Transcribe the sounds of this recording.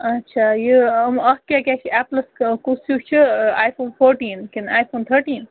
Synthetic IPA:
ɐtːʃʰaːjiɐmɐhkaːkʲaːt͡ʃʰiɛːplɐskusut͡ʃʰɨaːjfoːnfoːɾʈiːnkinaːjfʰoːnt̪ʰəɾʈiːn

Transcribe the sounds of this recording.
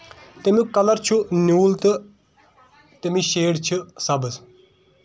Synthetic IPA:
t̪emukɐlɐɾt͡ʃʰunuːlt̪ɨ | t̪emiʃeːɽt͡ʃʰɨsɐbɨs

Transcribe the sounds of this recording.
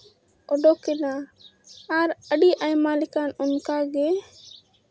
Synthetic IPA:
ɔɖɔkɛna | aɾəɖiʔajmalɪkanɔnkaɡɛ

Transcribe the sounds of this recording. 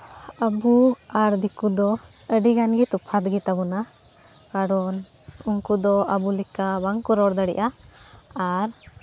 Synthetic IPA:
əbuaɾd̪ikud̪ɔ | əɖiɡanɡit̪upʰad̪ɡit̪abɔna | kaɾɔn | uŋkud̪ɔʔəbulikabaŋkuɾɔɾd̪əɽḭʔaː | ɾ

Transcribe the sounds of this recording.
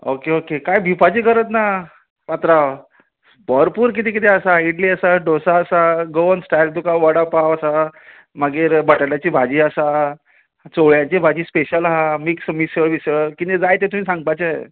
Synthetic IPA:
okeokekajbʱipad͡ʑikəɾət̪na | ʋat̪ɾaʋ | bɔɾpuːɾk̬it̪iːk̬it̪eəsaiʈliːəsaɖosaːsaɡoənsʈajɾ̚d̪ukaʋəɽapaʋəsa | maɡiːɾbəʈəɽjat͡ɕiːbʱad͡ʑiːəsa | t͡soɭjat͡ɕebʱad͡ʑiːspeɕəlɦamiksmisəɾʋisəkint̪ed͡zajt̪et̪um̤iːsãŋɡ̚pajt͡ɕəe

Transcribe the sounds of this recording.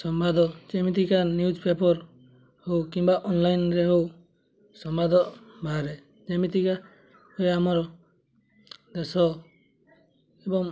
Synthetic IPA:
sɔmbad̪ɔd͡ʒemit̪ikanjud͡ʒpepɔɾ | howkimbaʔɔnlajnɾeɦow | sɔmbad̪ɔʔbʱaɾe | d͡ʒemit̪ika | hɔjamɔɾɔ | d̪esɔ | ebɔŋ

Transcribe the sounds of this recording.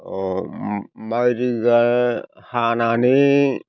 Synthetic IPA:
o | maɾiɡahanani

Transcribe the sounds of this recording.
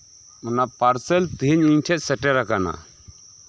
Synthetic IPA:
ɔnapaɾsɛlt̪iɦiɲiɲʈʰɛt̚sɛʈɛɾakana̰

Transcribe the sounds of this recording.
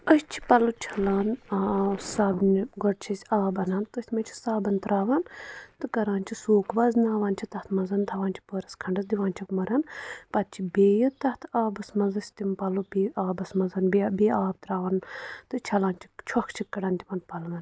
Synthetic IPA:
ɐst͡ʃʰi̥pɐlut͡ʃʰɐlaːn | saːbnɡɔʈt͡ʃʰisʲaːbɐnaːnt̪ɐsʲt̪ʲmɐt͡ʃʰi̥saːbɐnt̪ɾaːʋɐnt̪ɨkɐɾaːnʲt͡ʃʰisoːkʰbɐznaːʋaːnt͡ʃʰit̪ɐht̪ʰmɐzɐnt̪ʰɐʋaːnt͡ʃʰi̥poːɾɐskʰɐɳɖɐsd̪iʋaːnt͡ʃʰikmɐɾɐnpɐt̪̚t͡ʃʰibeːjɐt̪ɐht̪ʰaːbɐsmɐzɐsʲt̪impɐlubiːaːbɐsmɐzɐnbebeːaːb̚t̪ɾaːʋɐnt̪ɨt͡ʃʰɐlaːnt͡ʃʰi̥t͡ʃʰɔkʰt͡ʃʰikːɐɽaːnt̪ʲipɐnpɐlʋɐn

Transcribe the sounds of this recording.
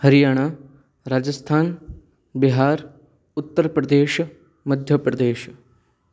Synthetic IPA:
həɾijaːɽ̃aː | ɾaːd͡ʒəst̪ʰaːn | biɦaːɾ | ʊt̪ːəɾpɾəd̪eːʃ | məd̪ʱjəpɾɐd̪eːʃ

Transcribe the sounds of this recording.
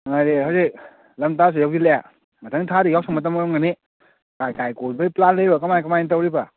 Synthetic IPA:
ŋajɾeɦawsek̚ | lamtas̬ɯjawɡileja | mɐtʰaŋtʰaɾijawsʰaŋmɐt̬amajɔŋɡane | kajkajkolbajplanləjbakɐmajkɐmajntawɾiba

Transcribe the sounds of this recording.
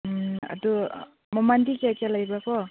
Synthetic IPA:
a̰du | mɔmandikeajkalajbakɔ

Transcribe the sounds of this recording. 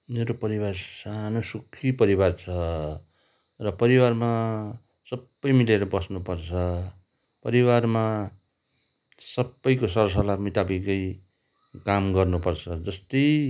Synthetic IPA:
meɾopʌɾibarsanosukʰːipʌɾibart͡sʰʌ | rʌpʌɾiwarma | sʌbːʌjmileɾʌbʌsnupʌrt͡sʰʌ | pʌɾiwarma | sʌbːʌjkosʌɾs̬ʌlamit̪abikʌj | kamɡʌrnupʌrt͡sʰʌd͡zʌst̪ʌj

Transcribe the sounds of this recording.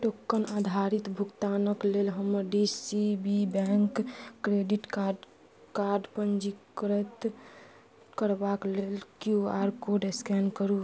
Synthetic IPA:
ʈokːənad̪ʱaɾit̪bʱuɡt̪anəklelɦəmːəɾɖisibibɛŋkːɾeɖiʈka | kaɾɖpənd͡ʒikəɾət̪ | kəɾbaklelkjuaɾkoɖeskɛnkəɾu

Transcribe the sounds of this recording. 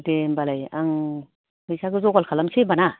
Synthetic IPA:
dembalaja̰ŋ | kɯjsaɡɯzɔɡalkʰalamsebana

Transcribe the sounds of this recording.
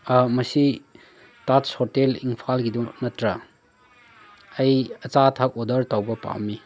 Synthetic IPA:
mɐsi | tatshoɾteliŋpʰalɡidunɐtɾɐ | ɐjɐt͡ʃatʰak̚odɐɾtawbɐpa̰wmi

